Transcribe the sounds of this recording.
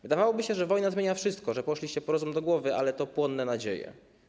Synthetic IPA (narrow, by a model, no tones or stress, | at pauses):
vɘd̪avawɔbɘɕɛʐɛvɔjnazmʲeɲafʂɘst̪̚kɔʐɛpɔʃlʲiɕt͡ɕɛpɔɾɔzumd̪ɔɡwɔvɘʔa̰lɛt̪ɔpwɔnːɛnad͡ʑejɛ̰